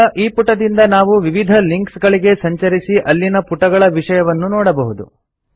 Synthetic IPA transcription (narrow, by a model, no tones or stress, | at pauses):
ʔiːpuʈɐd̪ind̪ɐnaːʋuʋiʋid̪ʱɐliŋksɡɐɭiɡe̞sɐɲt͡ʃɐɾisiʔɐlːinɐpuʈɐɡɐɭɐʋiʂɐjɐʋɐnːunɔːɽɐbɐɦud̪ṵ